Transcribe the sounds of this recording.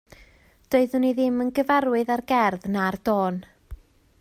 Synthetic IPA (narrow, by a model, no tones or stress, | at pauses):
d̥oɨðʊniðɪmənɡəvaɾwɨðarɡɛrðnard̥oːn